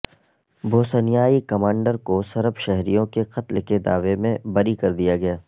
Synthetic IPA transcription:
bʱoːsənjaːikɐmãːɳɖəɾkosɐɾəbʃɛɦɾijõkeqɐt̪lked̪a̰ːʋemẽbɐɾikɐɾd̪ijaɡɐjaː

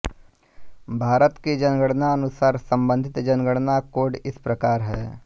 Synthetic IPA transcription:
bʱaːɾət̪ked͡ʒɐnɡəɽnaɐnʊsaːɾsə̃mbə̃nd̪ʱɪt̪d͡ʒənɡəɽnakoːɖɪspɾəkaːɾɦɛː

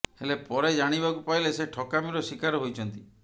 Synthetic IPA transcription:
helepɔɾed͡ʒaɽ̃ibakupaɦileseʈʰɔkamiɾɔsikaɾɔɦojt͡ʃʰɔnt̪i

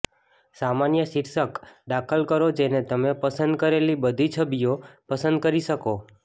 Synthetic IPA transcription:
samanjəʃiɾsəkɖ̪akʰəlkəɾod͡ʒenet̪əmepəsənd̪̚kəɾelibəd̪ʱit͡ʃʰəbijopəsə̃nd̪̚kəɾiʃəko

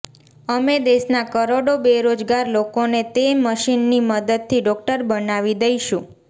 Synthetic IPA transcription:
əmed̪eʃnakəɾoɽobeɾod͡ʒɡaɾlokonet̪eməʃinːiməd̪əd̪̚t̪ʰːiɖɔk̚ʈəɾbənaʋid̪əjʃũ

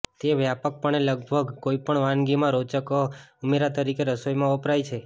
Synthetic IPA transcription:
t̪eʋjapək̚pəɳeləɡ̚bʱəɡkoipəɳʋãnɡimãɾot͡ʃəkəumeɾat̪əɾikeɾəsojmãopɾajt͡ʃʰe

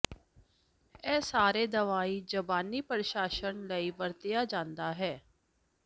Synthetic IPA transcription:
ɛːsaːɾeːd̪əʋaːiːd͡ʒəbaːniːpəɾɪʃaːʃənləiːʋəɾt̪ɪjaːd͡ʒãːnd̪aːɦɛː

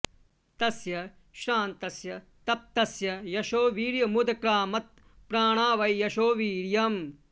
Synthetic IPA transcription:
t̪ɐsjɐ | ʃɾaːnt̪ɐsjɐ | t̪ɐp̚t̪ɐsjɐjɐʃoːʋiːɾjɐmud̪ɐkɾaːmɐt̪̚ | pɾaːɳ̃aːʋɐjjɐʃoːʋiːɾjɐm

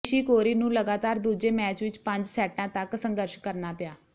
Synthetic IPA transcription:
ʃiːkoːɾiːnũːləɡaːt̪aːɾd̪uːd͡ʒeːmɛːt͡ʃʋɪt͡ʃpəɲd͡ʒsɛːʈãːt̪əksə̃ŋɡəɾʃkəɾnaːpɪjaː

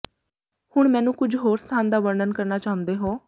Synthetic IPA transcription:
hʊɳmɛ̃ːnũːkʊd͡ʒʱɦoːɾst̪ʰaːnd̪aːʋəɾɳənkəɾnaːt͡ʃaːɦʊ̃nd̪eːɦoː

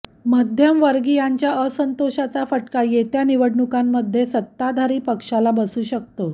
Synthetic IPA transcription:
məd̪ʱjəmʋəɾɡijaɲt͡ɕjaʔəsənt̪oɕat͡safəʈkajet̪janiʋəɽɳukamːəd̪ʱːjesət̪ːad̪ʱaɾiːpəkʂalabəsuːɕək̚t̪o

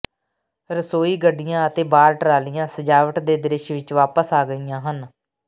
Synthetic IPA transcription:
ɾəsoːiːɡəɖːɪjãːət̪eːbaːɾʈəɾaːlɪjãːsəd͡ʒaːʋəʈd̪eːd̪ɪɾɪʃʋɪt͡ʃʋaːpəsaːɡəijãːɦən

